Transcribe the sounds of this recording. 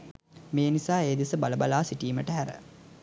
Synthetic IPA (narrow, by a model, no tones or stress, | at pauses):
meːnisaːeːd̪isəbaləbalaːsiʈiːməʈəɦæɾə̰